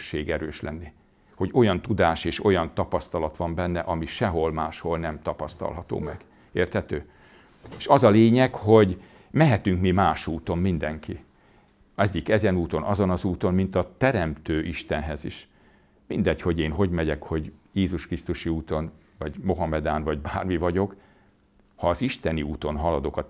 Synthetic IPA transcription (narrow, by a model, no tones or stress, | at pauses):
ʃːeːɡɛɾøːʃlɛnːi | ho̞ɟo̞jɒnt̪ud̪aːʃeːʃo̞jɒnt̪ɒpɒst̪ɒlɒt̪ʋɒmbɛnːɛʔɒmiʃɛɦo̞lmaːʃho̞lnɛmt̪ɒpɒst̪ɒ̰lɦɒt̪o̰ːmɛɡ̥ | eːrt̪hɛt̪øː | eːʃɒzɒleːɲɛkho̞ɟ | mɛɦɛt̪yŋkmimaːʃuːt̪o̞mmind̪ɛŋki | ɛɟikɛzɛnuːt̪o̞nʔɒzo̞nɒzuːt̪o̞mmint̪ɒt̪ɛɾɛmt̪øːʔiʃt̪ɛnɦɛziʃ | mind̪ɛcho̞ɟeːnɦo̞ɟmɛɟɛkho̞ɟjeːzuʃkrist̪uʃiuːt̪o̞n | vɒɟmo̞ɦɒmɛd̪aːnvɒɟbaːrmivɒɟo̞k | hɒːziʃt̪ɛniuːt̪o̞nɦɒlɒd̪o̞kɒ